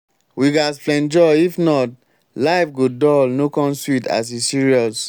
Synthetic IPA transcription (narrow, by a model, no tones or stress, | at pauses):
wiɡasflɛ̃nd͡ʒɔifnɔt̚ | laɪfɡodɔlnokɔ̃nswita̰s̬isiɹiɔs